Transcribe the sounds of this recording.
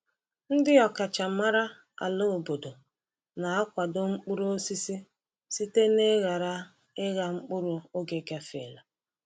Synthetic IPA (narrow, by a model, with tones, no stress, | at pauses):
n̩˦dɪ˦ɔ˨ka˨t͡ʃa˨ma˦ɾa˦ | a̰˨lo˦˨bo˨do˨ | na˨a˦kʷa˨do˦ŋ͡m̩˦k͡pʊ˦ɾo˦si˦si˦ | si˦te˦ne˦ɣa˨ɾa˦ | ɪ˦ɣa˨ŋ͡m̩˦k͡pʊ˦ɾʊ˦o˦ɡe˨ka˦fḛ˨la˨